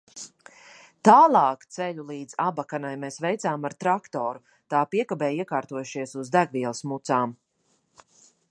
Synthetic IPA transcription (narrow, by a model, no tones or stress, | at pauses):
t̪aːlˠɑːkt̪sɛʎulˠiːd̪zabakanajmeːsvɛjt̪saːmaɾt̪ɾakt̪ɔːɾu | t̪aːpiɛkabɛːjiɛkaːɾt̪uɔjuʃiɛsuzd̪æɡviɛlˠsmut̪saːm